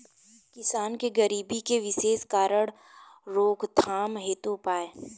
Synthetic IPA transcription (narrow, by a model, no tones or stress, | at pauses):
kɪsaːnkeɡɐɾiːbikeʋɪʃeːskaːɾəɽ | ɾoːkt̪ʰaːmɦeːt̪opaːeː